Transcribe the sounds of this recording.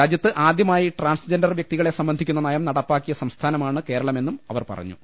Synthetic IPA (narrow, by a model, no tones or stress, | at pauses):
aːd͡ʑjɐt̪ːɨʔaːd̪jɐmaːjiʈraːnsd͡ʑendɐrʋjɐk̚t̪iɣɐɭe̞sɐmbɐnd̪ʱikʲːunːɐnɐjɐmnɐɽɐpːaːkːijɐsɐmst̪ʰaːnɐmaːɳɨke̞ːɾɐɭɐme̞nːumɐʋɐrpɐ̰rɐ̰ɲːṵ